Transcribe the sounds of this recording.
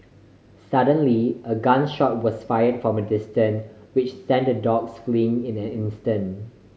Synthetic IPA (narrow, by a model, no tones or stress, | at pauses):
sadə̃nliəɡãnʃɔt̚wɔsfajədfɹɔ̃mədɪstə̃nwɪt͡ʃsɛ̃ndədɔksflĩŋɪ̃nɛ̃nɪ̃nstə̃n